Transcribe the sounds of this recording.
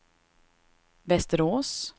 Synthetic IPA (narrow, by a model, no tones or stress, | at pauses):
vɛst̪əɾoːs